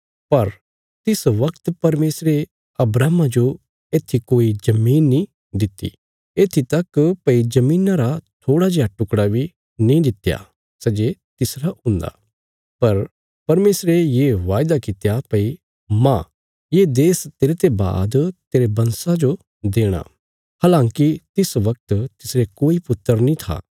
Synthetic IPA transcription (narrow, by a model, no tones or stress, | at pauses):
pɐɾ | t̪ɪsʋɐkt̪pɐɾmeːsɾe | ɐbɾaːmãd͡ʒo | eːt̪ʰikoːid͡ʒɐmiːnːĩ | d̪ɪt̪ːḭ | eːt̪ʰit̪ɐkpɐid͡ʒɐmĩːnaɾat̪ʰoːɽad͡ʒaːʈʊkɽabʱi | nĩd̪ɪt̪ja̰ | sɛd͡ʒet̪ɪsɾaʊ̃nd̪a̰ː | pɐɾ | pɐɾmeːsɾejeʋaːjd̪akɪt̪japɐi | mã | jed̪eːst̪eːɾet̪eba̰ːd̪t̪eːɾebɐ̃nsãd͡ʒo | d̪eːɽ̃a̰ | haːlãːŋkit̪ɪsʋɐk̚t̪t̪ɪsɾekoːipʊt̪ːəɾnĩt̪ʰa̰ː